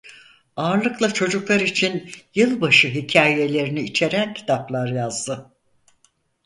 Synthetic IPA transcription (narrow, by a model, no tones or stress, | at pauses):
aːɾlˠɯklˠat͡ʃʰo̞d͡ʒuklˠaɾit͡ʃʰinjɯlˠbaʃɯɦicʰaːje̞lʲe̞ɾiniːt͡ʃʰe̞ɾæncʰi̥t̪ʰaplˠaɾjazd̪ɯ